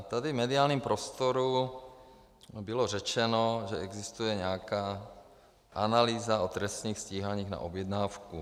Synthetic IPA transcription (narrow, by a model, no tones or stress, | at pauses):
t̪adivmɛdɪaːlɲiːmpɾost̪oɾu | bɪlor̝ɛt͡ʃɛnoʒɛɛɡzist̪ujɛɲɛakaː | ʔanaliːzaot̪ɾɛst̪nɲiːxsciːɦaɲiːɣna̰ʔobjɛd̪naːfku